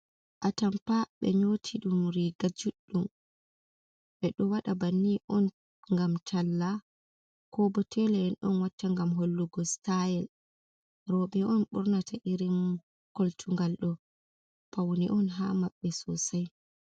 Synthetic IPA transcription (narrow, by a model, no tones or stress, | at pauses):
ʔatampaɓɛ̰ɲoːtʰiɗumɾiɡad͡ʒuɗːum | ɓɛɗɔwaɗabanːiʔɔn | ŋɡamtʰalːa | kʰɔbɔtʰɛlɛɛnɗɔnwatːaŋɡamɦolːuɡɔstajɛl | ɾɔɓɛɔnɓuɾnatʰaʔiɾim | koltʰuŋɡalɗɔ | pawniʔɔnɦamaɓːɛsɔsaj